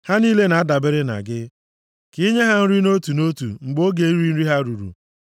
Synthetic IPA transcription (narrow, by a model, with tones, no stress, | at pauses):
ha˦niː˦le˦na˨a˦da˨bɪ˦ɾɪ˦na̰˨ɡɪ˦ | ki˦ɲe˦ɦa˦n̩˦ɾi˦no˦tu˨no˦tṵ˨ŋ͡m̩˨ɡ͡bo˦ɡe˨i˦ɾi˦n̩˦ɾi˦ɦa˦ɾu˨ɾṵ˨